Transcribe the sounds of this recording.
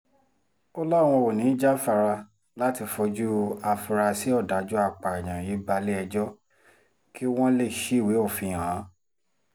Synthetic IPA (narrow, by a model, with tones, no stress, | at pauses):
ɔ˦lɔ˦˨w̃ɔ̃˧wo˨nĩ˨˦d͡ʒa˦fa˧ɾa˧ | la˦ti˧fɔ˧d͡ʒu˦a˧fi˧ɾa˧si˨˦ɔ˦˨da˨˦d͡ʒu˦a˧k͡pa˨ɛ˨j̃ã˨ji˨˦ba˧le˦ɛ˧d͡ʒɔ˦ | ki˦w̃ɔ̃˦le˦˨ʃi˦i˦˨we˨˦o˦˨fĩ˧˨ã˨˦